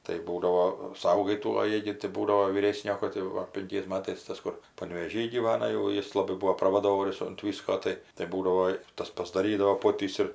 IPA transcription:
tɐɪ ˈbuːdɐʋoː ˈsɐʊɡɐɪ ˈtuː oː ˈjiɛ ɡʲɪ tɐɪ ˈbuːdɐʋoː ʋʲiːˈrʲeːsʲnʲoː kɐt jɛʊ ˈʋɐ pʲɪŋʲˈkʲɛɪs ˈmɑːtɐɪs ˈtɐs kʊr pɐnʲʋʲeːˈʒʲiː ɡʲiːˈʋɑːnɐ jɛʊ ˈjɪs lˠɐˈbɐɪ ˈbuɔ prɐʋɐˈdoːʋoːrʲʊs ʊnt ˈʋʲiːskoː ˈtɐɪ tɐɪ ˈbuːdɐʋoː ɪ ˈtɐs pɐzdɐˈrʲiːdɐʋoː ˈpoːtʲiːs ɪr

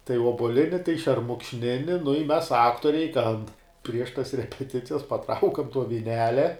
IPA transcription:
tɐɪ oːbuɔˈlʲɪnʲɪ tɐɪ ʃʲɛrmʊkʃʲˈnʲɪnʲɪ nʊ ɪ mʲɛs ˈɑːktoːrʲɛɪ tʲɛn pʲrʲiɛʃ tɐs rʲɛpʲɛˈtʲɪt͡sʲɪjɛs pɐˈtrɐʊkɐm tuɔ ʋʲɪˈnʲæːlʲɛ

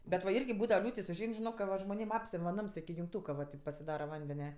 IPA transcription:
bʲɛt ʋɐ ˈɪrʲɡʲɪ ˈbuːdɐʋɐ ˈlʲuːtʲɪs ʊʒʲˈɛɪn ʒʲɪˈnoːk kɐ ˈʋɐ ʒmoːˈnʲeːm ˈɑːpʲsʲɛmʲ ʋɐ ˈnɐms ɪkʲɪ jʊŋkˈtuːkɐ ʋɐ tɐɪp pɐsʲɪˈdɑːrɐ ˈʋɐnʲdʲɛnʲɛ

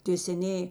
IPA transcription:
tʲeː sʲɛˈnʲeːjeː

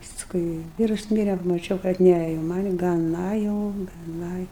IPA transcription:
pɐsˈkʊɪ ˈʋʲiːrʊs ˈmʲiːrʲɛ mɐˈt͡ʃʲɛʊ kɐt ˈnʲɛ jɛʊ ˈmɐnʲ ɡɐˈnɐ jɛʊ ɡɐˈnɐ

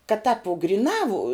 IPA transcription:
kɐt tɑːp ʋʊ ɡrʲɪˈnɑː ʋʊ

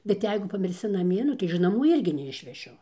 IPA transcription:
bʲɛt ˈjɛɪɡʊ pɐmʲɪrʲˈsʲɪ nɐˈmʲiɛ ˈnʊ tɐɪ ɪʃ nɐˈmuː ˈɪrʲɡʲɪ nʲɛɪʃʲʋʲɛˈʃʲʊ

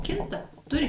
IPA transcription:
ˈkʲɪntɐ ˈtʊrʲɪ

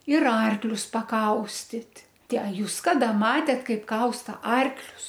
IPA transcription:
ɪr ˈɐrklʲʊs pɐˈkɐʊsʲtʲɪtʲ ˈtʲæː ɐ ˈjuːs ˈkɑːdɐ ˈmɑːtʲeːt ˈkɐɪp ˈkɐʊstɐ ˈɐrklʲʊs

